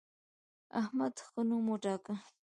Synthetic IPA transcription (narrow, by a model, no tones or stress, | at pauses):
a̰hmad̪xənumoʈɑːka